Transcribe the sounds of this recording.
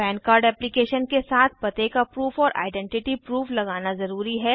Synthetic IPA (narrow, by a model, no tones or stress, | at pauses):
pɛ̃ːnkaːɾɖɛːplɪkeːʃənkesaːt̪ʰpɐt̪ekapɾuːfɔːɾʔa̰ːɪɖɛ̃ɳʈɪʈipɾuːflɐɡaːnazɐɾuːɾiɦɛː